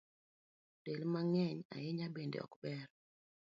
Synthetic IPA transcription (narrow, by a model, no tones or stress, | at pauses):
telmaŋɛɲa̰jɪɲabendḛɔ̰kbɛɾ